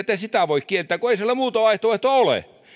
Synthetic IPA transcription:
et̪ːæsit̪æʋoikkielt̪ːæːkoeisielːæmuːt̪oɑiht̪oʋɑeiht̪oolḛ

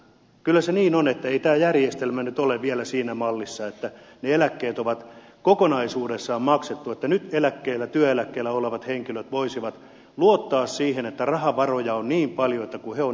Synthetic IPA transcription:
kylːæseniːnonet̪ːæeit̪æːjærjest̪elmænyt̪oleʋielæsiːnæmɑlːisːɑet̪ːæneelækːeːt̪oʋɑt̪kokonɑisuːdesːɑːmmɑkset̪ːuet̪ːænyt̪elækːeːlːæt̪yøelækːeːlːæoleʋɑt̪heŋkiløt̪ʋoisiʋɑt̪ | luot̪ːɑːssiːhenet̪ːærɑhɑʋɑrojɑonniːmpɑljoet̪ːækuheo

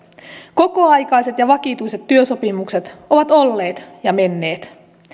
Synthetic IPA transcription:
ko̞ko̞ɑjkɑjse̞t̪jɑʋɑkit̪ujse̞t̪ːyøso̞pimukse̞t̪o̞ʋɑt̪o̞lːe̞ːt̪jɑme̞nːe̞ːt̪

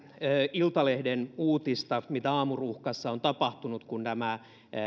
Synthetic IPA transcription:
øilt̪ɑlehdenuːt̪ist̪ɑmit̪æɑːmuruhkɑsːɑont̪ɑpɑht̪unut̪kunt̪æmæ

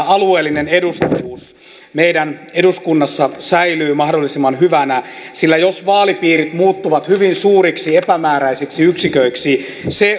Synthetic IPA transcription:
ɑlueːlːinenedust̪uːs | meidæneduskunːɑsːɑsæilyːmɑhdolːisimːɑnhyʋænæsilːæjosʋɑːlipiːrit̪muːt̪ːuʋɑt̪hyʋinsuːriksiepæmæːræisiksiyksikøiksi | se

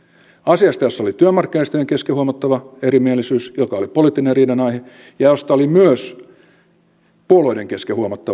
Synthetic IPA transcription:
ɑsiɑst̪ɑjosːolit̪yømːɑrkːinɑist̪øjeŋkeskehuomɑt̪ːɑʋɑerimielisyːsjokɑolipoliːˑt̪ːineriːdɑnɑihe | jɑjost̪ɑolimyøs | puoloideŋkeskehuomɑt̪ːɑ

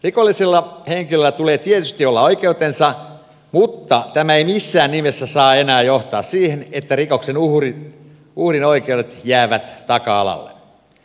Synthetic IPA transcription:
rikolːiselːɑheŋkilølːæt̪uleːt̪iet̪yst̪iolːɑoikeut̪ensɑ | mut̪ːɑt̪æmæeimisːæːnnimesːæsɑːenæːjoht̪ɑːssiːhenet̪ːærikoksenuhri | uhrinoikeuɾet̪jæːʋæt̪t̪ɑkɑɑ̰lɑ̰lːḛ

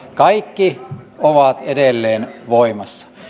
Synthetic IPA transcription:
kɑikːioʋɑt̪edelːeːnʋoimɑsːɑ̥

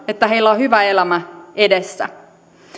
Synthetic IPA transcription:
et̪ːæɦe̞ilːæohyʋæelæmæedesːæ̰

